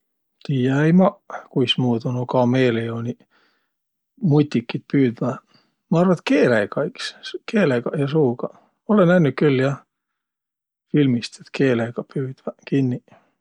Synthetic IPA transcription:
t̪iːjɑejmɑkujsmuːt̪unokɑmeːleonʲi | mut̪ʲːikːit̪̚pyːd̪væ | mɑɑrvɑt̪keːlekɑikskʰeːleɡɑjɑsuːɡ̥ɑ | olenænykyljɑ | filmist̪et̪kʰeːleɡ̥ɑpyːd̪̥vækinːi

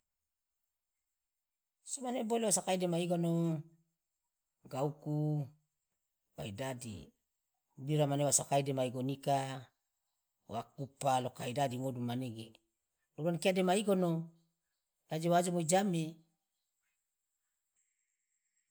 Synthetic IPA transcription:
somanebolewasakaidemaiɡono | ɡauku | baidadḭ | biɾamanewasakaidemaiɡonika | wa̰kupalokaidadiŋodumaneɡe | lulankiademaiɡono | dad͡ʒewad͡ʒomoid͡ʒame

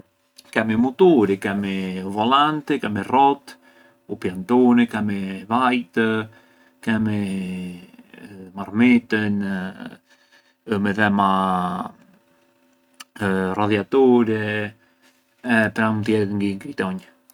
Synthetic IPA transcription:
kɛmimut̪uɾikɛmivɔlant̪ɛkɛmirɔt̪ | upjant̪unikɛmivajt̪ə | kɛmi | marmit̪ən | mɛðɛma | raðjat̪uɾɛ | ɛpɾamunt̪jɛt̪ŋɡiŋkɾit̪ɔɲ

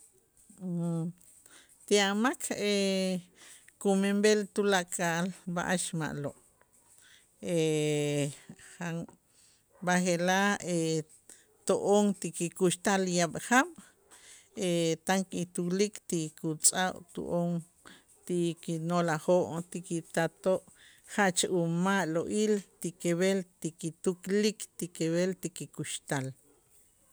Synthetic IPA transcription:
t̪iamakʰe | kumembelt̪ulaʔkʼaʔlba̰ʔaʃma̰ʔloʔ | e | xaŋ | baχelae | t̪oʔoŋt̪ikikuʃt̪aljaɓχaɓ | et̪aŋkit̪uklikt̪ikut͡sʼaʔt̪ṵʔoŋ | t̪ikinolaχoʔt̪ikit̪at̪oʔ | χaʔt͡ʃaʔumaʔloʔilt̪ikeβelt̪ikit̪uklikt̪ikeβelt̪ikikuʃt̪al

